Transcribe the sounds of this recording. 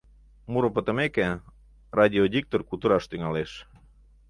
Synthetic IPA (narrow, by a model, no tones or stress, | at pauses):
muɾəpət̪ə̆meke | rɑd̪ʲiod̪ʲik̚t̪orkult̪əɾɑʃt̪yŋɑleʃ